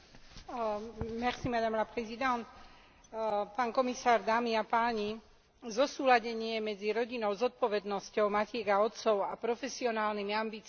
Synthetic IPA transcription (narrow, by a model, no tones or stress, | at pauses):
maχsimad̪amlapɾɛzid̪ant̪ | paːnkɔmisaːɾd̪aːmiapaːɲi | zɔsuːlaɟɛɲɪɛmɛd͡ziɾɔɟinɔʊzɔt̪̚pɔʋɛd̪nɔscɔʊmacɪɛɡaɔt̪st͡sɔʊapɾɔfɛsiɔnaːlnimiambiːt͡s